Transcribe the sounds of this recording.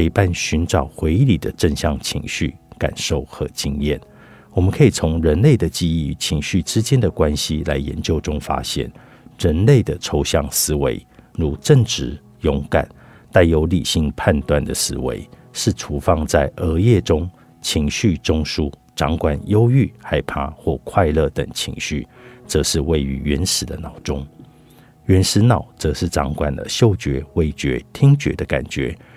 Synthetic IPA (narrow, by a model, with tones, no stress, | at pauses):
i˧˩pa˥˧nɕy˧˥nʈ͡ʂɑ˨˩ʊxwe˧˥ɪ˧li˨˩d̪ə˦ʈ͡ʂə˥˧ŋɕjɑ˥˩ŋt͡ɕʰḭ˧˥ŋɕy̰˥˩ka̰˨˩nʂo˥˩ʊxɤ̰˧˥˦t͡ɕi˥ŋjɛ̰˥˩n | wɔ˨˩mə˨nkʰə˧˥i˨˩t͡sʰʊ˧˥ŋɻə˧˥nle˥˩ɪd̪ə˩t͡ɕi˥˧i˥˩t͡ɕʰi˧˥ŋɕy˥˩ʈ͡ʂɻ̩˦t͡ɕjɛ˥˦nd̪ə˨kwa˦nɕi˦la˧˥ɪjɛ̰˧˥nt͡ɕjo˥˩ʊʈ͡ʂʊ˥ŋfa̰˥ɕjɛ̰˥˩n | ɻə˧˥nle˥˩ɪd̪ə˩ʈ͡ʂʰo˧˥ʊɕjɑ˥˨˩ŋsɹ̩˥wḛ˧˥ɪɻu˧˥ʈ͡ʂə˥˩ŋʈ͡ʂɻ̩˧˥˦ | jʊ˧˥ŋka̰˨˩˦n | t̪a˥˩ɪjo˧˥ʊli˨˩ɕi˧˥ŋpʰa˥˧nt̪wa˥˩nd̪ə˨sɹ̩˧˥wḛ˧˦ɪ | ʂɻ̩˥˩ʈ͡ʂʰu˧˥fɑ˥˧ŋt͡sa˥˩ɪʔə˧˥jɛ˥˩ʈ͡ʂʊ˥ŋ | t͡ɕʰi˧˥ŋɕy˥˨ʈ͡ʂʊ˥ŋʂu˦ | ʈ͡ʂɑ̰˧˥ŋkwa˨˩njo˥ʊy˥˩xa˥˩ɪpʰa˥xwɔ˥˩kʰwa˥˧ɪlɤ˥˩t̪ə̰˨˩ŋt͡ɕʰḭ˧˥ŋɕy˥˩t͡sɤ˧ʂɻ̩˥˧we˥˩ɪy̰˧˥ɥɛ˧˥nʂɻ̩˨˩d̪ə˦nɑ˨˩ʊʈ͡ʂʊ˥ŋ | ɥɛ˧˦˥nʂɻ̩˧˥nɑ˨˩˦ʊt͡sɤ˧ʂɻ̩˥˩ʈ͡ʂɑ̰˧˥˦ŋkwa̰˨˩ndə̰˦ɕjo˥˩ʊt͡ɕɥɛ˧˥we˥˩ɪt͡ɕɥɛ̰˧˥t̪ʰi˥ŋt͡ɕɥɛ̰˧˥d̪ə˧ka̰˨˩nt͡ɕɥɛ̰˧˥˦